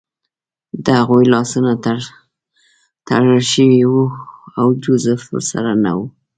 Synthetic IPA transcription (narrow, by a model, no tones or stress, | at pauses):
d̪əhaɣujlɑsunat̪ | t̪a̰ɽəlʃəwiwuawd͡ʒʊzəfsa̰ɾana̰wu